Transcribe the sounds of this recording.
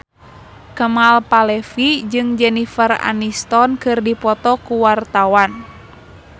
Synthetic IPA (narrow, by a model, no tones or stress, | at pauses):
kəmalpalɛfid͡ʒɨŋd͡ʒɛnifəra̰nist̪ɔnkɨrdipɔt̪ɔkuwart̪awan